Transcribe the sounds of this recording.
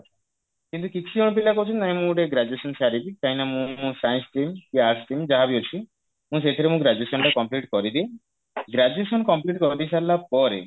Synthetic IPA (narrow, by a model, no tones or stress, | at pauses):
kint̪ukit͡ʃʰioɽ̃pilakɔt͡ʃʰɔnnaĩmũɖeɡɾad͡ʒuesɔnsaɾibit͡ʃajnamũsajnsʈimkiaɾsʈimd͡ʒaɦabiot͡ʃʰi | mũs̬et̪ʰɔɾemũɡɾad͡ʒuesɔɳʈakɔmpliʈkɔɾid̪ie | ɡɾad͡ʒuesɔnkɔmpliʈkɔɾid̪isaɾlapɔɾḛ